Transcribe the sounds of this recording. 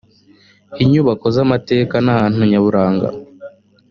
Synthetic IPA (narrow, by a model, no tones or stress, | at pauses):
iɲuβako̞zamate̞ːkanahaːn̥uɲaβuɾaːŋɡa̰